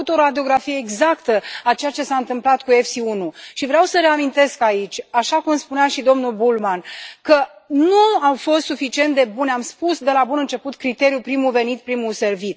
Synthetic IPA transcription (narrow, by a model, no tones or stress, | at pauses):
ut̪o̞ɾad̪io̞ɡɾafijeːɡzakt̪əat͡ʃe̞jat͡ʃe̞saɨnt̪ɨmplat̪̚kuefsiunuʃivɾeawsəɾe̞amint̪e̞skait͡ʃʲaʃakumspuneaʃid̪o̞mnulbulmankənuawfo̞st̪sufit͡ʃie̞nt̪̚d̪e̞buneamspusd̪e̞labunɨnt͡ʃe̞put̪kɾit̪e̞ɾijupɾimuve̞nit̪̚pɾimuse̞rvit̪̚